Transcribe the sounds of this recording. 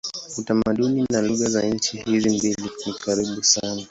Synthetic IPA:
utamaɗuninaluɣazaɲ̩t͡ʃihizimbilinikaɾiɓusana

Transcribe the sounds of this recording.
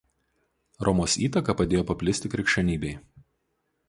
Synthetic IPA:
ɾʔɔmoːsiːt̪ɐkɐpɐd̪ʲeːjoːpɐpʲlʲɪsʲt̪ʲɪkɾʲɪkʃʲt͡ʃʲɛnʲiːbʲɛɪ

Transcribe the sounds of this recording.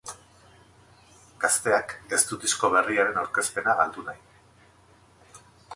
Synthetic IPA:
ɡ̥ast̪e̞ake̞st̪ut̪isko̞β̞e̞riaɾe̞nawɾke̞spe̞naɣald̪unaj

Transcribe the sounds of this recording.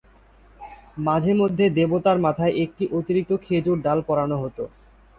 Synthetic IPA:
mad͡ʑʱemod̪ʱːed̪ebot̪aɾmat̪ʰaeʔek̚ʈiʔot̪iɾik̚t̪okʰed͡ʑuɾɖalpɔɾanoɦot̪o

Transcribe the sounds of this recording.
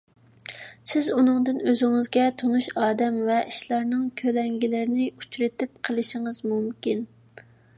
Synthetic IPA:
sɪzunɨŋd̪ɨnøzɪŋɪzɡʲɛt̪ʰonuʃɑːd̪ɛmvɛʔiʃlˠɑɾnɨŋkʲʰølɛŋɡʲilɪɾɪnɪut͡ʃɾɨt̪ɪp̚qʰəlˠɨʃiŋɨzmumkʲin

